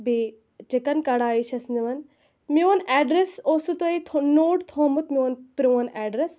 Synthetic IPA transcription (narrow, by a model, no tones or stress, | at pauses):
be | t͡ʃekɐnkɐɽaːit͡ʃʰɐsniʋɐn | minɛːɖɾesoːsut̪oit̪ʰonoːʈt̪ʰoːmut̪minpɾiʋɐnɛːɖɾes